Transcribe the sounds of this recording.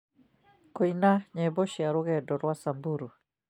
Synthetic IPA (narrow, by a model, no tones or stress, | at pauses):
koinaɲɛbɔʃiaɾʊɣɛdɔɾwasambuɾu